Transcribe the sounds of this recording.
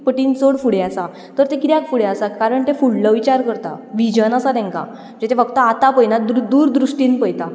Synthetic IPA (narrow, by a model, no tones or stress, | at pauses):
pəʈiːnt͡soɽfuɽeasa | t̪əɾt̪ẽkɾjakfuɽeasakaɾəɳt̪efuɽləʋit͡ɕaɾkəɾt̪a̰ʋid͡ʑənasat̪ɛ̃ŋka̰ | d͡ʑet̪ʰefəɡt̪əat̪apəjnad̪ud̪uːɾd̪ɾuʂʈinpəjt̪a